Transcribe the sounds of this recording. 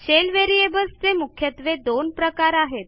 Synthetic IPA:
ɕelʋeɾiebəst͡semukʰjət̪ʋed̪onpɾəkaɾaɦet̪̚

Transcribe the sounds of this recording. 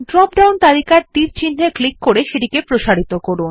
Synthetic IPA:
ɖɾɔp̚ɖawnt̪alikaɾt̪iɾt͡ɕʰint̪ʰeklikːoɾeʃeʈikepɾoʃaɾit̪okoɾun

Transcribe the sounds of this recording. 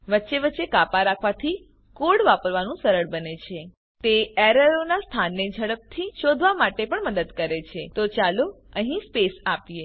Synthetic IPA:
ʋətːʃeʋətːʃekapaɾakʰʋat̪ʰi | koɽʋapəɾʋanũsəɾəɭbənet͡ʃʰe | t̪eɛɾəɾonast̪ʰanːed͡ʒʱəɽəp̚t̪ʰiʃod̪ʱʋamaʈepəɳməd̪əd̪kəɾet͡ʃʰet̪ot͡ʃalo | əɦĩspesapije

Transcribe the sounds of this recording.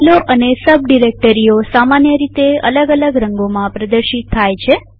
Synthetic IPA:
loʔənesəb̚ɖiɾek̚ʈəɾiosamanjəɾit̪eə̰ləɡələɡɾəŋɡomãpɾəd̪əɾʃit̪ʰːajt͡ʃʰe

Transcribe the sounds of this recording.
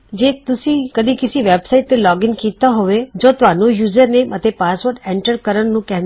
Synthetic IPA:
d͡ʒet̪ʊsikəd̪ĩkɪsiʋebsaiʈnelɔːɡɪnkit̪ːaɦoʋed͡ʒot̪ʋanũjuːzəɾnemʔət̪epasʋoɾɖɛɳʈəɾkəɾəɳnũkɛɦn

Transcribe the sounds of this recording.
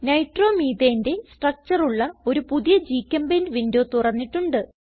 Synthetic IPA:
nɐjʈro̞ːmiːd̪eːnde̞sʈrɐk̚t͡ɕɐruɭːɐo̞ɾupuðijɐd͡ʑiːkʲːɐmbenʋindoːt̪urɐnːiʈːuɳɖɨ

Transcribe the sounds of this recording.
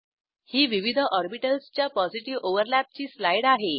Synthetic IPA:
hiːʋiʋid̪ʱəʔɔɾbiʈəlst͡ɕjapɔd͡ziʈiʋoʋəɾlæp̚t͡ɕiːslajɽaɦe

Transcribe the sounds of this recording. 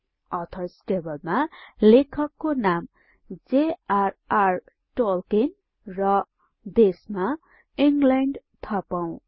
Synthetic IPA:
ʌt̪ʰʌsʈebʌlmalekʰʌkːonam | d͡zearar | ʈolken | rʌ | d̪esma | iŋɡlaɳɖt̪ʰʌpaw̃

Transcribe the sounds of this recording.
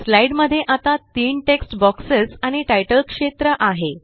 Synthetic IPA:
slaiɖməd̪ʱːjeʔat̪at̪iːɳʈeksʈbɔksesaɽ̃iʈajʈəlkʂet̪ɾəʔaɦe

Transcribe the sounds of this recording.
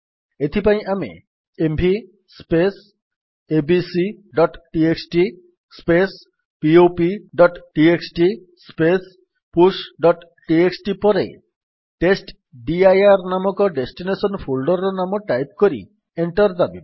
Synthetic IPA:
et̪ʰipaj̃ʔamḛ | embʱi | spes | ebisi | ɖɔʈʈieksʈi | spes | piopiɖɔʈʈieksʈi | spes | pusɖɔʈ | ʈieksʈipɔɾḛ | ʈesʈ | ɖiajaɾnamɔkɔɖesʈinesɔnpʰulɖɔɾɔnamɔʈajpkoɾḭ | eɳʈɔɾd̪abib

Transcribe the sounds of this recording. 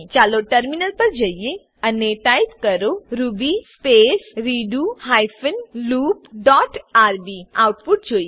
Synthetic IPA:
t͡ʃaloʈəɾminəlpəɾd͡ʒəjje | əneʈajpkəɾoɾubispesɾiɖuɦajfənluːpɖɔʈʰaɾbiawʈpuʈ̚d͡ʒoj

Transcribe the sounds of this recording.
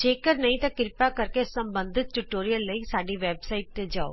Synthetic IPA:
d͡ʒeːkɐɾnɐɦĩt̪ɐkɪɾpakɐɾkesɐ̃mbə̃nd̪ʱɪt̪̚ʈʊʈoːɾijəlːəisaːɖiʋeːbsaːɪʈ̚t̪ed͡ʒaːo̰ː

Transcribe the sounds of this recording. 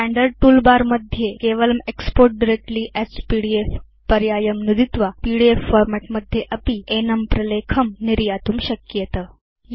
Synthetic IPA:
æ̃ɳɖəɾɖ̚ʈuːlbaɾməd̪ʱjekeʋələmekspoɾʈ̚ɖiɾek̚ʈliːʔɛspiɽief | pɐɾjaːjəmnud̪it̪ʋapiɽiefːoɾmeʈməd̪ʱjeʔɐpienəmpɾɐlekʰəmniɾjat̪uːmɕəkjət̪ə

